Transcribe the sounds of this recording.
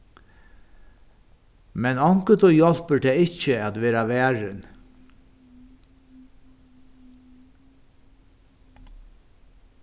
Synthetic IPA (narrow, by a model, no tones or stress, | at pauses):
mɛnɑŋkət̪oːjɔlpəɖeːɪçəɑt̪ʋeːɾɑʋæːɹən